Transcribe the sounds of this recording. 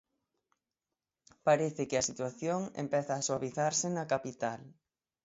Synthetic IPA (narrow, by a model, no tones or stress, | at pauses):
paɾeθɪkɪɐsit̪waθjoŋḛmpɛθaːswaβiθaɾsɪnɐkapit̪al